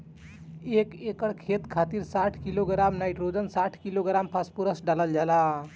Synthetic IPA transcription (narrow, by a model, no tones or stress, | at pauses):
ekekəɽkʰet̪kʰat̪iɾsaʈʰkiloɡɾamnajʈɾod͡ʒənsaʈʰkiloɡɾampʰaspuɾəsɖaləld͡ʒala